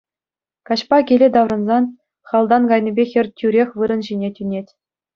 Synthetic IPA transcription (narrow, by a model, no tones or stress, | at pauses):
kɑɕpɑkʲelʲed̪ɑʋrɤ̆nzɑn | χɑlˠd̪ɑnɡɑjnʲĭbʲexʲɘ̆rʲtʲyɾʲexʲʋɯɾɤ̆nʑinʲetʲynʲetʲ